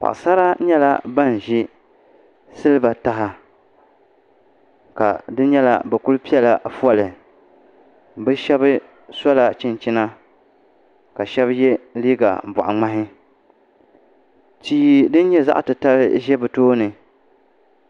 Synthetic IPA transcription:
pa̰˨ʔsa˦ɾa˦ɲɛ˦la̰˦ba˦n˨ʒi˦ | sɨ˦lɨ˦ba˨ta˦ɦa˦ | ka̰˨dɨ˦ɲɛ˦la̰˨bɛ˨ku˦lpi˦ɛ˦la˨fɔ˦lɨ˨ | bɨ˦ʃɛ˦bɨ˦ | sɔ˦la˨t͡ʃɪ˦nt͡ʃɪ˦na˦ | ka˨ʃɛ˦bjɛ˦liː˦ɡa̰˨bɔ̰˨ʔa̰˨ŋ͡ma˦ɦɪ˦ | t͡ʃiː˦˨dɨ˦n˦ɲɛ˦za̰˦ʔtɨ˨ta˦lɨ̰˦ʒɛ˦bɨ˨toː˦nɨ˨

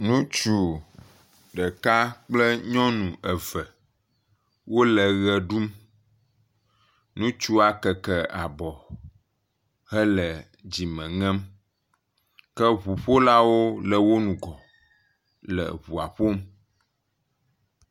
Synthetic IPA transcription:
nũ˦t͡ʃu˨ | ɖɛ˨ka˦k͡plɛ˦ɲɔ̃˦nũ˨ʔɛ˨vɛ˨ | wo˦lɛ˨ɣɛ˨ɖu˦m | nũ˦t͡ʃu˦a˨kɛ˨kɛ˨a˨bɔ˨ | ɦɛ˦lɛ˨ | d͡ʑi˨mɛ̃˨ŋɛ̃˦m | kɛ˦βu˨ɸo˦la˦wo˦lə˨wo˦nũ˨ɡɔ˨ | lɛ̰˨βu˨a˨ɸo˦m

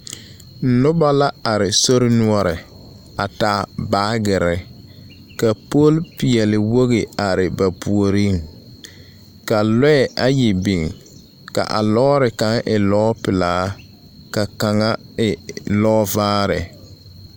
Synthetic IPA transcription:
n̩˨nʊ˦ba˦la˦a˨ɾɪ˨so˦ɾɪ˦nu˦ɔ˦ɾɪ˨ | a˨ta˨˦baː˦ɡɪ˨ɾɪ˨ | ka˨po˦lpi˨ɛ˨lɪ˨wo˦ɣɪ˨a˨ɾɪ˨ba˨pu˨o˨ɾi˦ŋ | ka˨lɛ˦ɛ˦˨ʔa˨ji˨bi˨ŋ | ka̰˨ʔa̰˨lɔː˦ɾɪ˨ka˨˦ŋʔɪ˨lɔː˦pɪ˨laː˨˦ | ka˨ka˨ŋa˦ɪ˨lɔː˦vaː˦ɾɪ˨

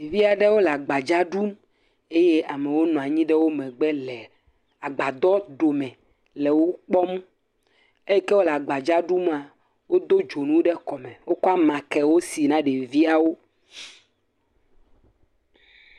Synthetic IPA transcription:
vi˦a˨ɖɛ˦wo˦la˨ɡ͡ba˨d͡ʒa˦ɖu˦m | e˦je˦ʔa˨me˨wo˦nɔ̃˨a˨ɲĩ˦ɖɛ˦wo˦mɛ̃˨ɡ͡bɛ˦lɛ˨ | a˨ɡ͡ba˨d̪ɔ˦ɖo˨mɛ̃˨ | lɛ˨wo˦k͡pɔ˦m˦ | e˦ɛ˦ke˦wo˦la˨ɡ͡ba˨d͡ʒa˦ɖu˦ma˨ | wo˦d̪o˦d͡ʒo˨nũ˦ɖɛ˦kɔ˨mɛ̃˨wo˦kɔ˦a˦mã˨kɛ˨wo˦si˨nã˦ɖe˨vi˦a˨wo˦

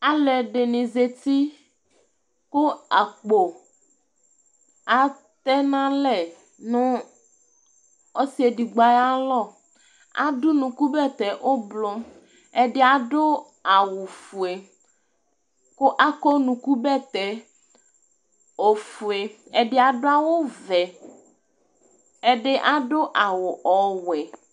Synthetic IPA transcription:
a˦lɛ˨ɖe˨nĩ˨ze˨t̪i˦ | ko˦a˨k͡po˨ | a˨ | t̪ɛ˦nã˦lɛ˨ | nũ˦ | o˦si˦e˨ɖi˨ɡ͡ba˦ja˦lɔ˦˨ | a̰˦du˦nũ˨ku˦bɛ˦˨t̪ɛ˨ʔo˦blɔ˦ | e˨ɖe˦a˨ɖo˦ | a˨wo˨fu˨e˨ | ko˦ʔa˦kɔ˦nũ˨ku˦bɛ˦t̪ɛ˨ | o˨fu˨e˨ɛ˨ɖe˦a˨ɖo˦a˦wo˦vɛ˨ | e˦ɖe˦ʔa˦ɖo˦ʔa˨wo˨ʔɔ˨wɛ˨

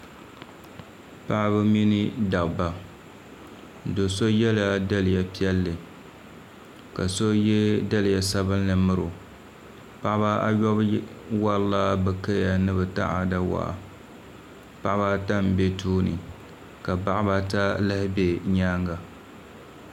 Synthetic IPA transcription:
pa˦ʔa˦bɨ˦mi˦ni˦da˨bba˨ | do˨so˦jɛ˦la˦da˦lɪ˨ja˨pi˦ɛ˦lːɨ˨ | ka˨so˦jɛ˦da˦lɪ˨ja˨sa˦bɨ˦nːɨ˨mɨ˦ɾʊ˨ | pa˦ʔba˦a̰˦jɔ˦bwa˦lla˦bɨ˨ka˦ja˨nɨ˦bɨ˨ta̰˦ʔa̰˨da˦wa̰˨ʔa̰˨ | pa˦ʔba˦ta˦˨mbe˦tʰuː˦nɨ̰˨ | ka˨ba˦ʔba˦ta˦lɨ˦hɪ˦be˦ɲaː˦ŋɡa˨

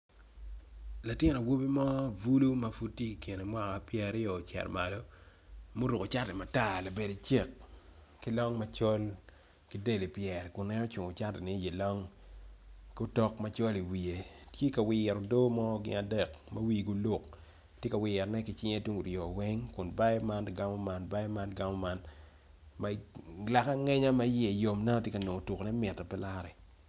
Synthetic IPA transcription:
la˨tjɪ˦no˨wo˦bi˦mɔ˦vu˦lu˦ma˦fu˦t̚tːje˦ki˨ke˨ne˨mwa˦ŋa˨pjɛ˨ɾɪ˦jɔ˨t͡ʃɛ̰˨rma̰˨lɔ˦ | mo˦ɾu˨ko˨t͡ʃa˦tɛ˨ma˨ta˦˨la˨be˨di˨t͡ʃe˦˨k̚ː | i˦lɔ˦ŋma˨˦t͡ʃɔ˦l | ki˦de˦li˨pjɛ˨ɾkʊ˨nɛ˦ɔ˦t͡ʃʊ˨ŋʊ˨t͡ʃa˦tɛ˨ni˦je˨lɔ˦ŋ | ku˦tɔ˦kma˦t͡ʃo˦li˨wi˨e˨tje˦ka˨wɪ˨ɛ˨ɾɔ˨do˦mɔ˦ɡɪ̰˦na˨dɛ˨kma˦wi˦˨ɡu˨˦lʊ˦k̚ | tje˦ka˨wɪ˨ɛ˨ɾnɛ˦kɪ˨t͡ʃɪ˦ŋe˦tu˦ŋɡu˨ɾjɔ˨wɛ˦ŋkʊ˨nba˦jɛ˦ma˦n˨ɡa˦mɔ˦ma˦nba˦jɛ˦ma˦nɡa˦mɔ˦ma˦n | ma˨la˨ka˦ŋɛ˦ɲa˦ma˦je˦˨jo˨mna˦nɔ˦tje˦ka˨no˨o˨tu˨knɛ˦mɪ˨tːɛ˨pɛ˦la˦ɾɛ˨

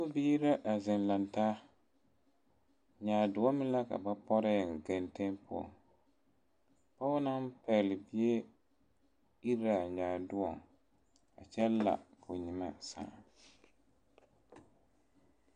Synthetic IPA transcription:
ko˦biː˦ɾa˦ʔa˨zɛ˨nla˨ntaː˦ | ɲaː˨dʊ˨˦ɔ˦mɪ˦la˦ka̰˨ba˦pɔ˦ɾa˦jɡa˨nte˦npʊ˦ɔ̰˨ŋ | pa˦wʊ˦na˦mpɛ˨lɪ˨bi˦e˦ | i˦ɾa˨ɲaː˨dʊ˦wɔ˨ŋ | a̰˨t͡ʃɛ˦la̰˨ka˨o˨ɲi˨ma̰˦sa̰ː˨

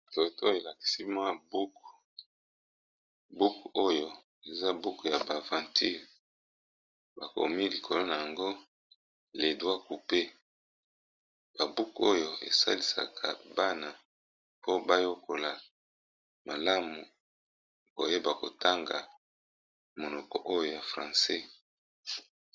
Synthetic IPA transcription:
to˨to˦e˨la˨ki̥˨si˦mwa˦bu˦k | bu˦ko˦jo˦ | e˨za˦bu˦kja˨ba˨vã˨ntʰi˦ʁ | ba˨ko̰˨mi˦li˨kʰo˨lo˦na˨ja˨ŋɡo˦ | le˨dwa˦ku˨pe˦ | b̥a˨bu˦ko˦jo˨ḛ˨sa̰˦li˨sa̰˨kʰa̰˨ba˦na˨ | po˦ba˦jo˦kʰo˨la˨ | ma˨la˦mu˨ | o̰˨je˦ba˨ko̰˨ta˦ŋɡa̰˨ | mo˨nɔ˨kɔ̰˨ʔo˦jo˨ja˨fʁã˨sɛ˦

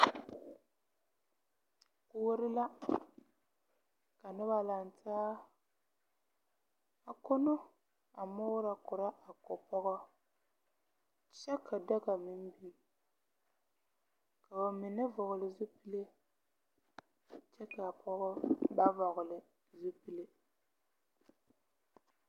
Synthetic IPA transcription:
kʊ˦ɾɪ˦la˦ | ka˨nɪ˦βa˦la˨ntʰaː˦ | a˨ko˦no˦ | a˨mʊː˦ɾa˨kʊ˨ɾa˦a˨kɔ˨pɔ˦ɣɔ˦ | t͡ʃɛ˦kʰa˨da˦ɡa˨mɪ˦m˦biː˦ | ka˨ba˨mɪ˨nɨ˦vʊ˨ɣʊ˨lɪ˨zʊ˦pi˦le˦ | t͡ʃɛ˦ka˨pʰɔ˦ɣɔ˦ba˦vɔ˨ɣʊ˨lɪ˨ | zu˦pi˦˨le˦

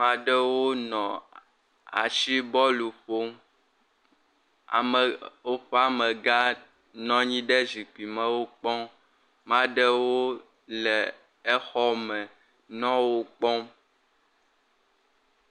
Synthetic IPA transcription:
mã˦ɖɛ˦wo˦nɔ̃˨ | a̰˨ʃi˦bɔ˦lu˨ɸo˦m | a̰˨m˨wo˦ɸɛ˦a˨mɛ̃˨ɡa˦ | nɔ̃˦ɲĩ˦ɖɛ˦zi˨k͡pi˨mɛ̃˦wo˦k͡pɔ̃˦ | mã˦ɖe˦wo˦ | lɛ˨ | e˦xɔ˦mɛ̃˨ | nɔ̃˦wo˦k͡pɔ̃˦m

